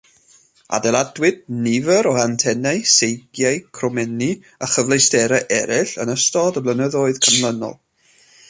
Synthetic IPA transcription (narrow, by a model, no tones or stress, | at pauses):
a̰dɛlˠadwɪd̚nɪvəɾɔantʰɛnaɨsejɡjajkʰrɔmɛni | əχəvlˠejstɛɾaʔɛɾɪɬənəstɔdəblˠənəðoːɨð̥kʰəmlˠənɔ̰lˠ